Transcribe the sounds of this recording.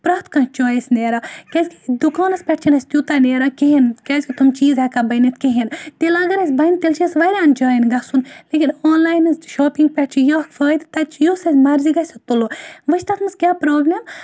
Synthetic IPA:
pɾɐːt̪kɐ̃t͡ʃoːjesʲneːɾɐkʲɐzʲkʲi̥d̪ukaːnɐspʲɛʈ̚t͡ʃʰinɐsʲt̪jut̪aneːɾɐkeɦinkʲɐzʲkʲit̪umt͡ʃiːzɐkabɐnit̪kʲeɦint̪elɐɡɐɾɐsʲbɐjnt̪elt͡ʃʰisʋɐɾʲaːnd͡ʒɐːinɡɐsunleːkʲinoːnlaːjnɐzʃoːpiŋɡ̚pʲɛʈ̚t͡ʃʰijɐkfəːjd̪t̪ɐt͡ʃjosɐzʲmɐɾziɡɐsʲɐt̪uloʋɐʃt̪ɐt̪ʰmɨskʲaːpɾoːblem

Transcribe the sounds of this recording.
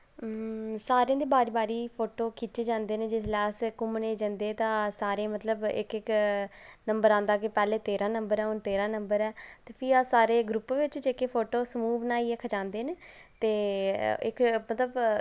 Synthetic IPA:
saːɾeãːd̪eːbaːɾiːbaːɾiːpʰoːʈoːkʰiːt͡ʃed͡ʒãːnd̪eːnẽːd͡ʒɪslɛːskʊmneːd͡ʒə̃ːnd̪eːt̪ãːsaːɾeːmət̪ləbɪ̰kɪk | nəmbəɾãːnd̪aːkeːpɛːleːt̪eːɾãːnəmbəɾɛːʊnt̪eːɾãːnəmbəɾɛːt̪eːpʰɪasaːɾeːɡɾʊpːʋɪt͡ʃd͡ʒeːkeːpʰoːʈoːsmuːʋnãːiːɛkʰət͡ʃãːnd̪eːneːt̪eːɪ̰kmət̪ləb

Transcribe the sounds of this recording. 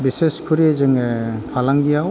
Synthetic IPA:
biseskʰuɾezɯŋepʰalaŋdijaw

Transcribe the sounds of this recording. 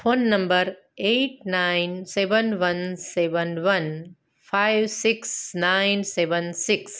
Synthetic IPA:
fʰoːnːɐ̃mbəɾ | eːʈnaɪnseʋə̃nʋɐ̃nseʋənʋɐn | pʰaɪʋsiksnaɪnseʋənsiks

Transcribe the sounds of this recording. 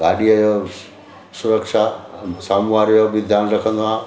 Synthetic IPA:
ɡaːɗiɐjo | sʊɾəkʃasaːmuʋaːɾjobid̪ʱjanɾɐkʰə̃nd̪oã

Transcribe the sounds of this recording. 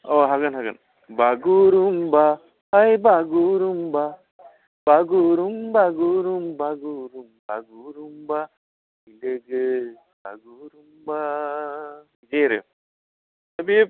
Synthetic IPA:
oɦaɡɐnɦaɡə̰n | baɡuɾumba | hajbaɡuɾumba | b̥aɡuɾumbaɡuɾumbaɡuɾumba̰ɡuɾumba | ileɡe | ba̰ɡuɾumba | d͡ʒeɾḛ | t̪ɐbi

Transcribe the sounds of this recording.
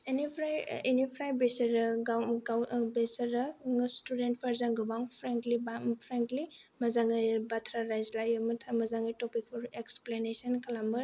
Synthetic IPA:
enipʰɾajenipʰɾajbesɐɾɐɡaɡawbesɐɾɐstudent̚pʰaɾzaŋɡɯbaŋpʰɾeŋklibapʰɾeŋklimɐzaŋɯjbatʰɾaɾajzlajɯmɐtʰamɐzaŋɯjtopik̚pʰɔɾeksplenesɔnkʰɐlambɯɾ

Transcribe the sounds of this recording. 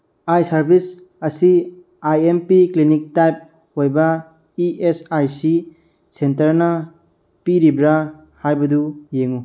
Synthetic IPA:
ajsaɾbʱis | ɐsi | ajempiklinik̚tajp̚ | ojba | iʔesajsi | sentɐɾnɐ | piɾibɾa | hajbɐdujeŋu

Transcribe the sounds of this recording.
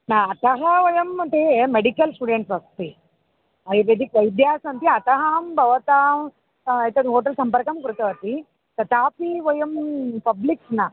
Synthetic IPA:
naɐt̪ɐɦɐʋɐjɐmɐɳʈemeɽikɐlsʈuːɖeɳʈsʋɐst̪i | ɐjɾed̪ʱikʋɐjd̪jaːsɐnt̪iɐt̪ɐɦaːmbʱɐʋɐt̪aːm | ɐjt̪eɦoːʈ̬ɐlsɐmpɐɾkɐmkɾut̪ɐʋɐt̪i | t̪ɐt̪aːpiʋɐjɐmpɐbliksnaː

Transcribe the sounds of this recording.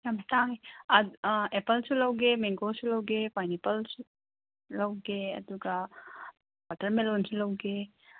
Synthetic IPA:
jamstaŋiaepɐlsulɐwɡemeŋɡosulɐwɡepajnepɐlsu | lɐwɡeɐ̰duɡa | batɐɾmelonsulɐwɡe

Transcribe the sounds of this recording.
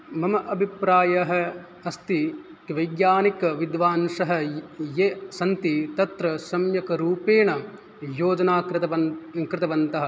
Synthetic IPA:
mɐmɐʔɐbʱipɾaːjɐɦɐ̆ | ɐst̪i | kʋɐjɡjaːnikɐʋid̪ʋaːnʃɐɦɐ̆jesɐnt̪it̪ɐt̪ɾɐsɐmjɐkɐɾuːpeːɳɐ | joːd͡ʒɐnaːkɾt̪ɐɐkɾɪt̪ɐʋɐnt̪ɐɦɐ̆

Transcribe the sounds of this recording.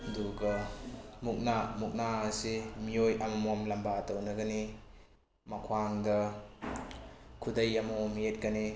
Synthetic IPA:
duɡɐmuk̚namuk̚naːsimiojamɐmomlambatawnɐɡani | makʰwaŋdɐ | kʰudɐjamomet̚ɡani

